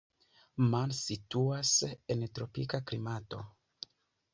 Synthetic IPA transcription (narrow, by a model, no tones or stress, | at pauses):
mansituasentɾo̞pikaklimato̞